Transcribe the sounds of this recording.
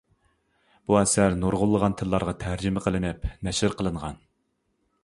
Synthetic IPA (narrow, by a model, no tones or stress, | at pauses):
b̥uɛsæɾnoɾʁʊlˠːəʁɑnt̪ʰɨlˠːɑɾʁɑt̪ʰæɾd͡ʒɪmɪqʰəlˠɨnɪpnɛʃɪɾqʰəlˠɨɴʁɑn